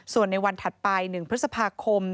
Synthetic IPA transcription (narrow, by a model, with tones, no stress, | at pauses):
su˨˩ənːa˧jwa˧nt̪ʰa˨˩t̪̚pa˧jnɯ˨˩ŋpʰɾɯ˦˥t̪̚sa˧pʰaː˧kʰo˧m